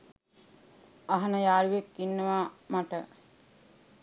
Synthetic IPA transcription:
aɦɐnəjaːluʋekːinːəʋamaʈə

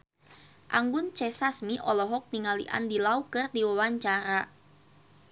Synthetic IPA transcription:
ʔa̰ŋɡʊnt͡ʃɛsasmiʔɔlɔɦɔk̚niŋalḭʔa̰ndilaukɨrdiwawaɲt͡ʃaɾa

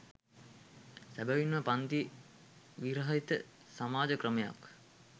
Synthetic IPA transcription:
sæbəʋinʋəpant̪i | ʋiɾəɦəit̪ə | samaːd͡ʒəkrəmeja̰k

